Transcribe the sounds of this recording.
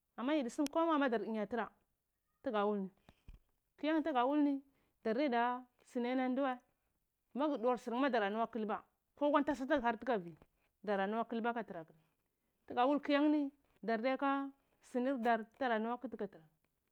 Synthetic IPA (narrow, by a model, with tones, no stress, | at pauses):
a˨mːa˦ji˨di˨si˦m˦ko˦ma˦˨ma˦da˨ɾi˨ɲ˨a˨ti˦ɾa˨ | ta˦ɡa˨wu˦lni˨ | ki˦ja˦ŋ˦ta˦ɡa˨wu˦lni˦ | da˨ɾe˦da˨ | si˨ne˦na˦n˦du˦wa˦ | ma˦ɡi˨du˨a˨ɾsi˨ɾma˦da˨ɾa˨nu˦wa˦ki˦lba˦ | ko˦ɡʷa˦n˦ta˦s̬a˦ta˦ɡa˦ɾti˦ka˨vi˨ | da˨ɾa˨nu˦wa˦ki˦lba˦ka˨ti˨ɾa˨ki˨l | ti˦ɡa˨wu˦lki˦ja˦ŋni˦ | da˨ɾde˦ka˦ | si˨ni˦ɾda˨ɾd̥a˦ɾa˨nu˦wa˦ki˦ti˦ka˨ti˨ɾa˨